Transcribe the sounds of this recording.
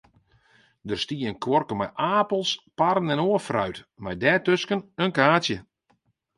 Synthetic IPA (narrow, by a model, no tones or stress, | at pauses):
dərstiəənkʋɔrkəmɛ̰jʔaːpəlˠspaɾənɛnoəfrœ̰ɥtmɛjdɛːtøskənənkaːtjə